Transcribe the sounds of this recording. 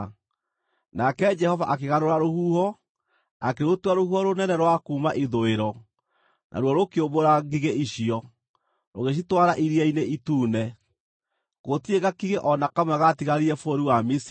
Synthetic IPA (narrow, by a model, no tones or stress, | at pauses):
nakɛd͡ʒɛhɔvaʔakeɣaɾoɾaɾohuːhɔ | akeɾotuaɾohuhɔɾonɛnɛɾwakuːmaʔiðoeɾɔ | nʔa̰ɾwɔɾokeomoɾaŋɡiɣeʔiɕiɔ | ɾoɣeɕ̬itwaɾaʔiɾiaineituːnɛ | ɣotieɣakiɣeʔɔnakamwaɣatiɣaɾiɛfoɾiwamis